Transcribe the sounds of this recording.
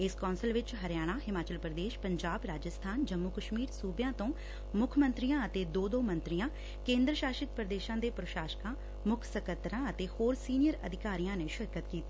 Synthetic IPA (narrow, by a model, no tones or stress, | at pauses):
ɪskaːnsəlʋɪt͡ʃɦəɾjaːɽ̃aːɦɪmaːt͡ʃəlpɾəd̪eːʃpəɲd͡ʒaːbɾaːd͡ʒəst̪ʰaːnd͡ʒəmːʊkəʃmiːɾsuːbjãːt̪õː | mʊkʰmə̃nt̪ɾijãːət̪eːd̪oːd̪oːmə̃nt̪ɾijãː | kẽːnd̪ɾəʃaːʃɪt̪̚pɾəd̪eːʃãːd̪eːpɾʊʃaːʃkãː | mʊkʰsəkət̪ɾãːət̪eːhoːɾsiːnɪjəɾə̰d̪ʱɪkaːɾijãːneːʃɪɾkət̪kiːt̪iː